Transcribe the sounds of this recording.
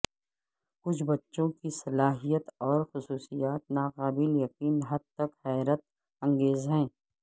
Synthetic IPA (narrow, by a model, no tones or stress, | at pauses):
kʊt͡ʃʰbɐtːʃõkisɐlaːɦijət̪ɔːɾxʊsuːsijaːt̪naːqaːbɪljɐqiːnɦɐd̪̚t̪ɐkhɛːɾət̪̚ | ɐ̃ŋɡeːzɦɛ̃ː